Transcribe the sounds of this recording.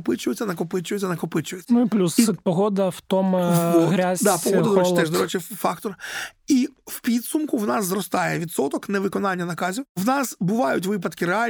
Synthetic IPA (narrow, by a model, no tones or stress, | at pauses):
pɪt͡ʃʊjɪtʲːɐnɐkɔpɪt͡ʃʊjɪt̪ʲːɐnɐkɔpɪt͡ʃʊjɪsʲːnʊiplʲusɛt̪̚pɔɦɔd̪ɐwt̪ɔmɣɾʲazʲd̪apɔɦɔdɐd̪ɔɾɛt͡ʃɪt̪ɛʒd̪ɔɾɛt͡ʃɪfɑkt̪ɔriwpʲid̪sʊmkʊwnɑsːrɔst̪ɑjɛʋʲid̪sɔt̪ɔknɛʋɪkɔnɑnʲːɐnɐkɑzʲiwwnɑsbʊʋɑjʊtʲʋɪp̬ɐd̪kɪɾeɑlʲ